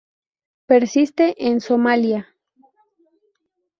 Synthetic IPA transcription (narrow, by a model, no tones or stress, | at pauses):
peɾsist̪eʔensomalja